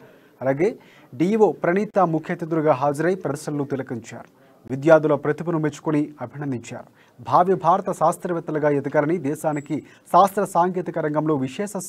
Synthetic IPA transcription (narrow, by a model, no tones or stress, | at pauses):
ɐlaːɡe̞ː | ɖiːʋoːpɾɐniːt̪aːmukʰjɐt̪id̪uɾuɡaːɦaːd͡ʒɐɾɐjpɾɐd̪ɐʃɐlɐlːut̪ilɐkiɲt͡ʃa̰ːɾu̥ | ʋid̪jaːd̪ulɐpɾɐt̪ipɐnumet͡ʃːu̥kuniɐbʱinɐnd̪iɲt͡ʃa̰ːɾu | bʱaːʋjɐbʱaːɾɐt̪ɐʃaːst̪ɾɐʋɛt̪ːɐlɐɡaːjɐd̪ɐɡaːlɐnid̪ɛːʃaːniki | saːst̪ɾɐsaːŋkeːt̪ikɐɾɐŋɡɐmlo̞ːʋiʃɛːʃɐ